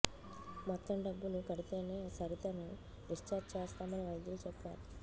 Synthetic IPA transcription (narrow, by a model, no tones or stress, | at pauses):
mɔt̪ːɐmɖɐbːulukɐɽit̪e̞ːne̞ːsɐɾit̪ɐnu | iʂt͡ʃaːt͡ʃɛːst̪aːmɐniʋɐjɐd̪ulut͡ʃɛpːa̰ːɾu